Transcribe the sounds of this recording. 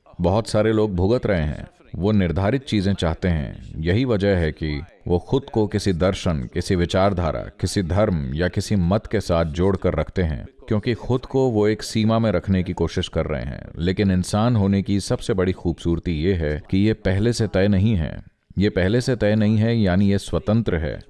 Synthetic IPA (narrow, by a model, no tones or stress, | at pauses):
bɐɔɦʊt̪saːɾeloːɡ̚bʱʊɡət̪ɾɐɦẽɦɛ̰̃ | ʋonɪɾd̪ʱaːɾɪt̪̚t͡ʃiːzẽt͡ʃaːɦt̪eɦɛ̰̃ːjɐɦiʋɐd͡ʒəɦɛki | ʋoːxʊd̪kokɪsid̪ɐɾʃənkɪsiʋɪt͡ʃaːɾd̪ʱa̰ːɾa̰kɪsid̪ʱɐɾmjakɪsimɐt̪kesaːt̪̚ʰd͡ʒoːɽkɐɾːɐkʰt̪eɦɛ̰̃ːkjõːkixʊd̪koʋoeːksiːmamẽɾɐkʰnekikoːʃɪʃkɐɾːɐ̰ɦḛ̃ɦɛ̰̃ːleːkɪnɪnsaːnɦoːnekisɐbsebɐɽixuːbsuːɾt̪ijeɦɛkijepɛɦleset̪ɛːnɐɦĩɦɛ̰̃ː | jepɛɦleset̪ɛːnɐɦĩɦɛjaːnijeswɐt̪ə̃nt̪ɾəɦɛ̰ː